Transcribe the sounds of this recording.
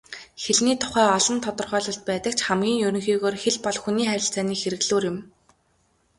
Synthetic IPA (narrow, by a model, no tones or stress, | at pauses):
xeɮniːt̪ʰʊ̥χæːɔɮɞ̆nt̪ʰɔt̪ɞ̆rχœːɮɞ̆ɬt̪̚pæːt̪ə̆k̚t͡ɕʰχæmɡʲiːŋjɵɾɵ̆ŋxiːɣoːrxeɮpɔɮxuniːχæɾʲɪ̆ɬt͡sæːniːxeɾɘ̆ɣɮoːrjʊ̆m